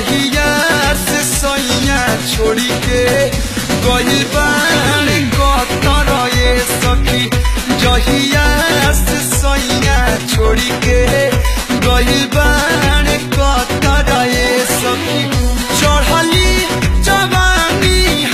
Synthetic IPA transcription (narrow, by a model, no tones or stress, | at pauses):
ɦijasesɔijat͡ʃʰoɽike | ɡɔlilbaɽ̃eɡɔt̪aɾɔjesɔkʰid͡ʒɔɦijasesɔijat͡ʃʰoɽike | ɡɔjilbaɽekɔt̪aɾaesɔkʰit͡ʃɔɽali | d͡ʒabani